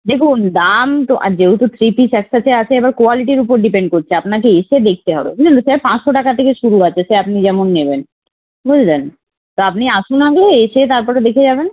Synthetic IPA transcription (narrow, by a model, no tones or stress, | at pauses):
d̪ekʰund̪amt̪oʔa̰d͡ʑeɦut̪ot̪ʰɾipisɛksat͡ʃʰeat͡ɕʰeɛbaɾkoaliʈiɾupoɾɖipẽɳɖ̚koɾt͡ʃʰeapnak̬eeʃed̪ek̚ʰt̪eɦɔ̰ɾḛbanosɛpãt͡ʃʃoʈakat̪ʰekeʃuɾuat͡ɕʰeseapnid͡ʑɛmonːeben | bud͡ʒʱd̪en | t̪oapniaʃunãɡloeʃet̪aɾpɔɾed̪ekʰed͡ʒaːben